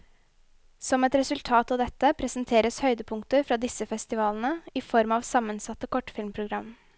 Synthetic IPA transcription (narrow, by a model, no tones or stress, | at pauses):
sɔmɛt̪ɾɛsʉlt̪ʰɑːt̪ɑːʋd̪ɛt̪ːəpʰɾɛsnt̪ʰeːɾəshœʏd̪əpʰʊŋkt̪əɾfɾɑːd̪ɪsəfɛst̪ɪʋɑːln̩əifɔɾmɑːʋsɑmːənsɑt̪ːəkʰɔʈːfɪlmpʰɾʊɡɾɑm